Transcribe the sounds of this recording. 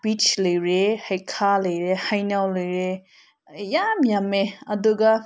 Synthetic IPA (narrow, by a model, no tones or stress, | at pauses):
bit͡ʃlɯjɾehajkʰalɯjɾehajnawlɯjɾe | jamjameɐduɡa